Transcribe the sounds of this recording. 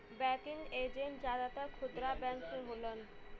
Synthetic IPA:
bɛkiŋɡed͡ʑeɳʈ̚d͡ʑad̪at̪aɾkʰud̪ɾabɛnseɦolon

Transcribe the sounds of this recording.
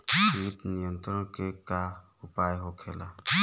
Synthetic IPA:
sitnijɔnt̪ɾɔkekahupajɦɔkʰela

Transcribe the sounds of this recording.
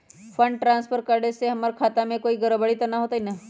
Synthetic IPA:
fʰəɳɖ̚ʈɾãːnspʰəɾkəɾɽeseɦəməɾkʰaːt̪amẽkoːiɡəɾəbəɭit̪ɐnaɦot̪aina

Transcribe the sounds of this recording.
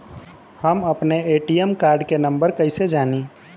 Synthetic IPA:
həməpneeːʈijemkaːɾɖkenə̃mbəɾkəɪsed͡ʒaːnĩ

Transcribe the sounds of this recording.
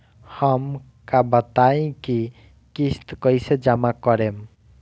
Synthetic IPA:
həm | kabət̪aĩki | kist̪kʌjsed͡ʒamakɔɾem

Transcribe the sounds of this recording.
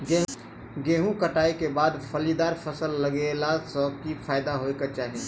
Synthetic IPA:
ɡe | ɡeːɦũkəʈaːekebaːd̪pʰəlid̪aːɾpʰəsəlːəɡelasəbkipʰaːɪd̪aɦoekat͡ʃaːɦi

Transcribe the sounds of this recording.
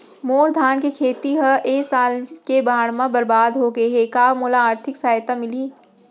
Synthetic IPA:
moːɾd̪ʱaːnkekʰeːt̪iɦɐʔeːsaːlkebaːɽmãbɐɾbaːd̪ɦoːɡeɦekaːmoːlaaːɾt̪ʰɪksaːjt̪amɪliː

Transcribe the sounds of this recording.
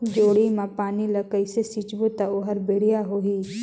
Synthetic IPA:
d͡ʒoːɽimãpaːniləkəɪsesit͡ʃbot̪aoɦəɾbeɽ̤ijaɦoːɦiː

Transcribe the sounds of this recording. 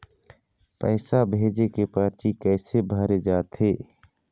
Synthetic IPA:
pɛːsabʱeːd͡ʒekepaːɾt͡ʃikɛːsebʱaːɾed͡ʒaːt̪ɦeː

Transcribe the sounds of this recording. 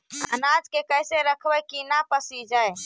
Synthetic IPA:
ə̰nad͡ʒkekəjseɾəkʰbɛkinapəsid͡ʒaj

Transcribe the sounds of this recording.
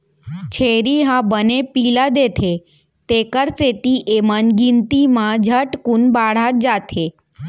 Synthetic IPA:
t͡ʃʰeɾiɦãbənepilad̪et̪ʰe | t̪ekəɾset̪iʔemənɡint̪imãd͡ʒʱəʈkunbaɽ̤at̪̚d͡ʒat̪ʰe

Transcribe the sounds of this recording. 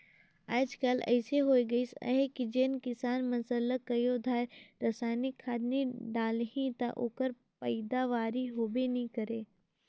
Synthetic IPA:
aːd͡ʒkəlɛ̰ːseɦoːiɡɐisə̰ɦekid͡ʒeːnkɪsaːnmɐsələkːɐjod̪ʱaːɾɐsaːnɪkʰːaːd̪niɖaːlɦĩt̪aʔo̰ːkəɾ | pəɪd̪aʋaːɾiɦoːbenɐɦĩkɐɾeː

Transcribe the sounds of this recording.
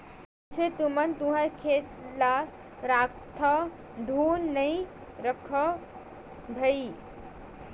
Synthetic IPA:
set̪umənt̪ũɦəɾkʰet̪la | ɾak̚t̪ʰə | d̪ʱunːəi | ɾəkʰə | bʱəi

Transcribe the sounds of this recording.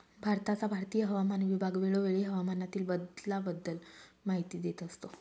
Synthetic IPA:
bʱaɾt̪at͡sabʱaɾt̪ijəɦəʋamanʋibʱaɡʋeɭoʋeɭiɦəʋamanat̪iːlbəd̪labəd̪ːəlmaɦit̪iːd̪et̪əst̪o

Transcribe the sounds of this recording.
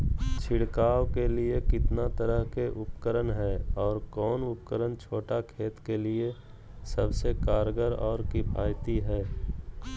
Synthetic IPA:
t͡ʃʰɪɽkaːwkeliekɪt̪nat̪əɾəɦkeʔʊpkəɾənɦɛːɔːɾkɔːnʊp̚kəɾənt͡ʃʰoːʈakʰeːt̪kelie | səbsekaːɾɡəɾɔːɾkibʱa̰ːjt̪iɦɛː

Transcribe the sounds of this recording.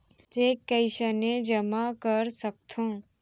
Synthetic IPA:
t̪eːkəɪʃənẽd͡ʒəmakəɾsək̚t̪ʰõː

